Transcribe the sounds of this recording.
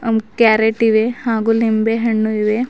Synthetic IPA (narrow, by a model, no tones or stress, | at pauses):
ɐmkaːɾeʈiʋehaːɡulimbeɦɐɳːuiʋe